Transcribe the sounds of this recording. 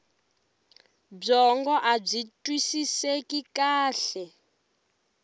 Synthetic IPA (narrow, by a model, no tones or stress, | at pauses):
b͡ʐɔŋɡɔʔab͡ʐitʼwisisekikaːɬɛ